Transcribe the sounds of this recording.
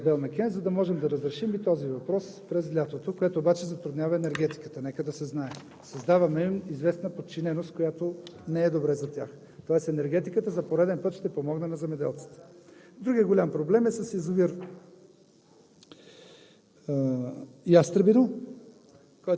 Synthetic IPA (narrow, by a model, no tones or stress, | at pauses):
d̪ɛlˠnɐkʲɛnzɐd̪ɐmɔʒɛmd̪ɐɾɐzɾɛʃimit̪ɔzivɐpɾɔspɾɛzlʲat̪ot̪okojɛt̪oːbat͡ʃɛzɐt̪ɾʊd̪nʲjavɐɛnɛɾɡ̟ɛt̪i̥kə̥t̪ənɛkəd̪ɐsɛznaɛ | sɐzd̪avɐmɛimizvɛsnəpot̪̚t͡ʃinɛnost̪kojat̪onɛɛd̪obɾɛzɐt̪ʲja̰x | t̪ɔɛst̪ɛnɛɾɡɛt̪ikət̪əzɐpoɾɛd̪ɛnpɤt̪ʃt̪ɛpomɔɡnənɐzɛmɛd̪ɛ̰lˠt̪si̥t̪ɛ̥d̪ɾuɡʲijəɡolʲampɾoblɛmɛsɐsizoviɾ | ijast̪ɾəbino | kɔj